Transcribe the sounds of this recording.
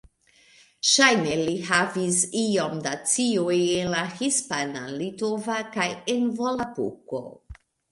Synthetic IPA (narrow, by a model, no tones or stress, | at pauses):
ʃajnelihavisiomdat͡siojenlahispanalitovakajenvolapṵko̰